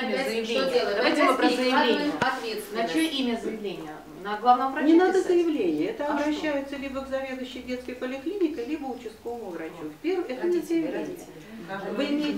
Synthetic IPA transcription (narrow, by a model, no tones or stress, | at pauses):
mʲzəjɪvlʲeelˠəd̪vajtʲɪvɐpɾosəjlʲenɪəɐt̪vʲet̪st̪nɐt͡ɕoimʲəzəjɪvlʲenʲɪjə | nɐɡlˠavnəmpɾɐnʲɪnad̪əzəjɪvlʲenʲɪjəɛt̪əɐbɾɐɕːæjʊt̪səlʲibəɡzɐvʲe̞d̪ʊɕːɪjdʲe̞t̪skəjpəlʲɪklʲinʲɪkəjlʲibəʊt͡ɕɪst̪kovəmʊvɾɐt͡ɕufʲpʲervɛt̪ənʲɪzʲeɪɾat̪ʲ | vɨɪmʲejɪ